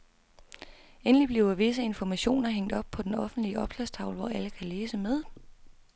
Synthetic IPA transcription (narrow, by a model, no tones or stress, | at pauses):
enəlib̥liʊɐʋe̝s̬əe̝nfɒmæɕo̝̰ːnɐɦeŋ̰d̥ɒ̽b̥̚pʰɒ̽d̥enɒ̽fn̩d̥liəɒ̽b̥slæst͡sʰɑ̈ʊl̩ʋɒ̰æləkʰæleːsəmeð̞ˠ